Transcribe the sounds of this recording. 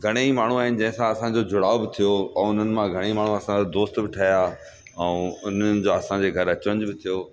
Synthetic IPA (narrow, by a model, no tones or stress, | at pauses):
ɡʱɐɽ̃eimaːɳ̤uaːɦɪnɪ̆d͡ʑɐ̃ɦɪ̃sãɐsãd͡ʑod͡ʑʱʊɽaːobɪt̪ʰijoɛ̃ʊn̤ənɪ̆mãɡʱɐɽ̃eimaːɳ̤ũɐsãod̪oːst̪bɪʈʰaːja | ɛ̃ʊn̤ənɪ̆d͡ʑoːɐsãd͡ʑeːɡʱɐɾɐt͡ɕʋə̃ɲd͡ʑbɪt̪ʰijo